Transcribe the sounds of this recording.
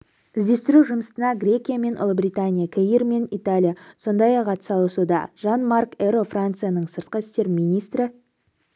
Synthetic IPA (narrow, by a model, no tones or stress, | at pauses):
ɪzd̪e̞st̪ɪɾuʒʊməst̪ənɑɡrʲe̞kʲijame̞nʔʊ̰lˠəbɾʲijt̪anʲijakʲʰejirme̞nit̪alʲijaso̞nd̪ɑjɑqɑt̪ə̥sɑlˠəsud̪ɑ̰ʒ̥ɑnmarkeɾofrant̪sɨjanəɴsəɾt̪̚qəɪst̪e̞ɾminijst̪ɾɪ